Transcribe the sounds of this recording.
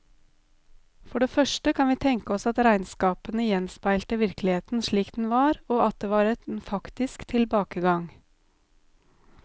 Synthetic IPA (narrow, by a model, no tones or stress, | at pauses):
fɔɖeːfœʃʈəkʰɑnʋiːt̪ʰɛŋkəɔsɑt̪ɾæɪnskɑːpənəjɛnspæɪlt̪əʋɪɾklɪheːt̪n̩ʃɭiːkd̪n̩ʋɑːɾoːɑt̪̚d̪eːʋɑːɾɛt̪fɑkt̪ɪskt̪ʰɪlbɑːkəɡɑŋ